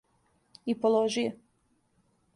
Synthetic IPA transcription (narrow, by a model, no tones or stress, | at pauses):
ipolˠoʒije